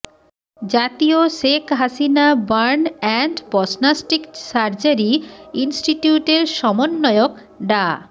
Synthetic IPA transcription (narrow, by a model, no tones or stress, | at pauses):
d͡ʑat̪ioʃekʰɦasinabaɾnɛɳʈbɔsnasʈiksaɾd͡ʑaɾiinsʈiʈjuʈeɾʃɔmonːɔeok | ɖa